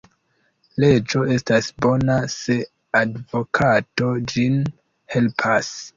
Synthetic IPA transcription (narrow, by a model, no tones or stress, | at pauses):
le̞d͡ʒo̞e̞stasbo̞nase̞ | advo̞kʰato̞d͡ʒin | he̞lpʰas